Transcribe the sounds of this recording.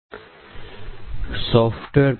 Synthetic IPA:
sɔːfʈʋeːɾ

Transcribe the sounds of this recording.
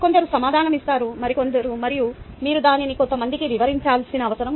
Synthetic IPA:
ko̞nd̪ɐɾusɐmaːd̪ʱaːnɐmist̪aːɾumɐɾiko̞nd̪ɐɾumɐɾiju | miːɾud̪aːniniko̞nt̪ɐmɐnd̪ikiʋiʋɐɾiɲt͡ʃaːlsinɐːʋɐsɐɾɐm

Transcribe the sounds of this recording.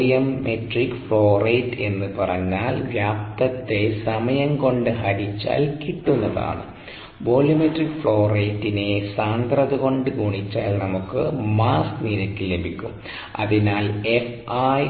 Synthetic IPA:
jɐmːeʈrikːfɭo̞ːreːtːe̞̰nːɨpɐrɐɲːaːlʋjaːp̚t̪ɐt̪ːe̞sɐmɐjɐŋko̞ɳɖɨɦɐɾit͡ɕːa̰ːlkiʈːunːɐða̰ːɳɨ̰ | boːljɐmeʈːrikːfɭo̞ːreːtːinesaːnd̪rɐðɨɣo̞ɳɖɨkuːɳit͡ɕːaːlnɐmukːɨmaːskniɾɐkʲːilebʱikʲːum | ɐ̰ðinaːlef | aj

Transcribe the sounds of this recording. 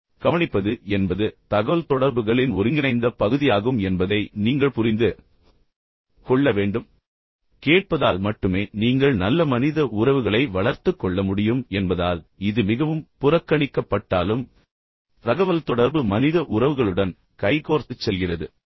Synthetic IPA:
kɐʋɐɳɪpːɐðɯɛnbɐðɯt̪ɐɣɐʋɐlt̪ɔɽɐɾbɯɣɐɭɪnʊɾɪŋɡɪnɐɪnd̪ɐpɐɣɯðɪjaːɣɯmɛnbɐðɐɪniːŋɡɐɭpʊrɪnd̪ɯ | kɔɭːɐʋeːɳɖɯm | keːʈ̚pɐðaːlmɐʈːɯmeːniːŋɡɐɭnɐlːɐmɐnɪðɐʔʊɾɐʋɯɣɐɭɐɪʋɐɭɐɾt̪ɯkːɔɭːɐmʊɽɪjɯmɛnbɐðaːlɪðɯmɪɣɐʋɯmpʊrɐkːɐɳɪkːɐpːɐʈːaːlɯm | ɾɐɣɐʋɐlt̪ɔɽɐɾbɯmɐnɪðɐʔʊɾɐʋɯɣɐɭɯɽɐn | kɐɪkoːɾt̪ɯt͡ʃːɛlɣɪrɐðɯ

